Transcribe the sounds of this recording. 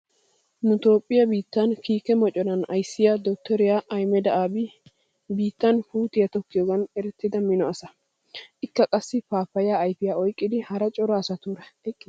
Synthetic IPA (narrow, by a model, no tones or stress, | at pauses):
nʊt̪o̞ːpʼːɪjɐbiːt̪ːɐnkiːkɛmɔt͡ʃʼːɔnɐnɐjsːɪjad̪ɔt̪ːɔɾɪjaːʔɐjmɛd̪ɐʔaːbɪ | biːt̪ːɐnhuːt̪ɪjɐt̪ɔkːɪjɔɡɐnɛɾɛt̪ːɪd̪ɐmɪnɔɐsɐ | ʔɪkːɐkʼɐsːɪpaːpːɐjaːɐjfɪjaːɔjkʼːɪd̪ɪhɐɾɐt͡ʃʼɔɾɔːsɐt̪uːɾɐkː